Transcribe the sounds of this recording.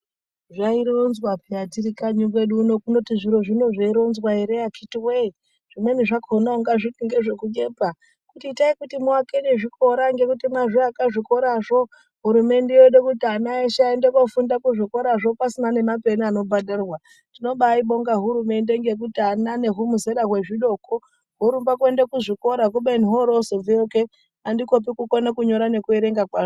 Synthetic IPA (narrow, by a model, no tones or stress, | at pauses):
ʐaiɾounzwapiatiɾikaɲuɡeɗuːno̞kuno̞tiʐiɾo̞ʐino̞ʐaiɾounzwaeɾejakʰitiwei | ʐ̥imweniʐakonauŋɡaʐitiŋɡeʐe̞kuɲepa | kutitaikutimuwakeneʐiko̞ɾaŋɡe̞kutimwaʐiakaʐiko̞ɾaʐo | ɦuɾume̞ndejoɗekutianaeʃaendekofundakuʐiko̞ɾaʐo̞pasinane̞mape̞niano̞bʱadʱarrwa | tino̞ɓaiɓo̞ŋɡaɦuɾume̞ndeŋɡe̞k̬utianane̞ɦumuzeɾaɣwe̞ʐiɗo̞ko | ɦoɾumbakue̞ndekuʐiko̞ɾak̬uɓen̤iɦoɾozovioke | andiko̞p̬ikukonakuɲo̞ɾane̞kue̞ɾe̞ŋɡakwaːʐo